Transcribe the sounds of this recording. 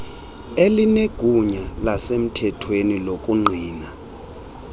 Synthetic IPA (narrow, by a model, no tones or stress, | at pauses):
elineɡ̥ʱuɲalasem̩tʰɛtʰwenilokʼuŋ͡ǃʱiːna